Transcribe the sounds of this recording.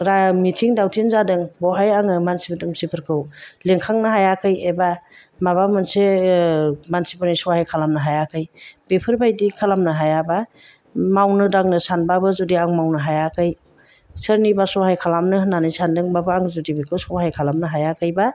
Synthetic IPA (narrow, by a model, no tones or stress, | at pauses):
ɾamitʰiŋdawtʰinzadɯŋbɔɦajaŋɯmansibɯtumsipʰɯɾkʰɯwleŋkʰaŋnɯɦajakʰɯjeba | maβamɯnse | mansibɯnisɔhajkʰalamnɯɦajakʰɯjb̥epʰɯɾbajdikʰalamnɯɦajaba | mawnɯdaŋnɯsanbabɯzudiaŋmawnɯɦajakʰɯj | sɯɾnibasɔhajkʰalamnɯnanɯjsandɯŋbabɯaŋzudibekʰɯwsɔwhɦajkʰalamnɯɦajakʰɯjba